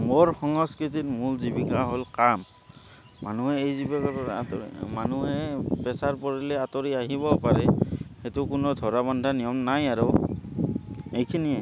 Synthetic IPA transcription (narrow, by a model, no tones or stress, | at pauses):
moɹxɔŋɔskɹitit̚mulzibikaɦolkamː | anuɦɛejzibikaɔ̰manuɦɛpɛsaɹpɔɹilɛatɔɹiaɦibɔpaɹɛxetukʊnɔdʱɔɹabandʱanijɔmnajaɹɔ | ejkʰiniɛ